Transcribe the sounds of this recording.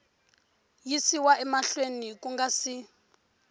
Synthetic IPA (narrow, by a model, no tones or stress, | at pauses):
jisiwaʔɛmaɬwenikuŋɡasi